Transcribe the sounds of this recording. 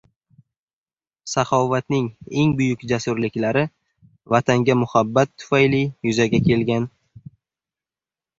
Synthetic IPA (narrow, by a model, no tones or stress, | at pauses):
saχɒvat̪nɪŋe̞ŋbʊjʊkʲd͡ʒasʊɾlɪkʲlaɾɪ | vat̪ʰaŋɡʲamʊhabːat̪ʰːʊ̥fajlijʊzaɡʲakʲʰe̞lɡʲan